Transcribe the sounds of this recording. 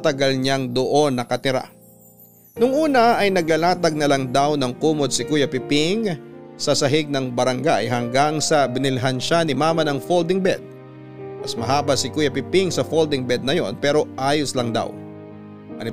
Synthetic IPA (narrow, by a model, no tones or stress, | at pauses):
t̪ɐɡɐlɲaŋd̪oʔo̞nːɐkɐt̪ɪɾa̰ | nʊŋʔuːnɐɐjnɐɡlɐlaːt̪ɐɡ̚nɐlɐŋd̪awnɐŋkuːmod̪̚sɪkujɐpɪpɪŋsɐsɐɦɪɡ̚nɐŋbɐɾɐŋɡaʔɐ̰jɦɐŋɡaŋsɐbɪnɪlɪɦanʃanɪmaːmɐnɐŋfold̪ɪŋbɛd̪̥̚ | mɐsmɐɦaːbɐsɪkuːjɐpɪpɪŋsɐfold̪ɪŋbɛd̪̚nɐjo̞̰npɛːɾo̞ʔaːjʊslɐŋd̪a̰w | ʔɐ̰nɪ